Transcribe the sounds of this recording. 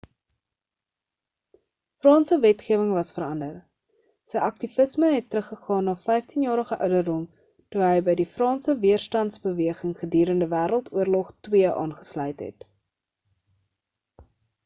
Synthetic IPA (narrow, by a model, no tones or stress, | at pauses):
frɑːnsəvɛtχiəvəŋvɐsfəɾɐndər | səjʔɐk̚tifəsməɦɛtːɾəχːəχɑːnːɑːfɛjftinjɑːɾəχəʔœ̰ɥdərdɔm | tuɦəjbəjdifrɑːnsəviərstɐntsbəviəχəŋχədyːɾəndəvæːɾəlˠtuərlɔχtwiəʔɑ̰ːnχə̥slœɥtɦɛ̰t